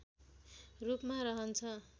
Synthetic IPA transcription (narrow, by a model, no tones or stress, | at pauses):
rupmaɾʌɦʌnt͡sʰʌ